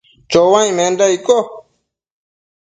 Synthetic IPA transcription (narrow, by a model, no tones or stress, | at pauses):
t͡ʃowãj̃mẽndaiko